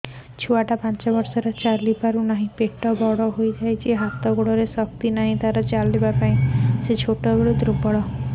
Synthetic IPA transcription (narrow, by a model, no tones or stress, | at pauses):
t͡ʃʰuaʈapant͡ʃɔbɔɾsɔɾɔt͡ʃaɾlipaɾunaɦĩpeʈɔbɔɽɔɦojd͡ʒajt͡ʃʰiɦat̪ɔɡuɭɔɾesɔkt̪inaɦĩt̪aɾɔt͡ʃalibapaĩset͡ʃʰoʈɔɡuɭud̪ɾubɔɽɔ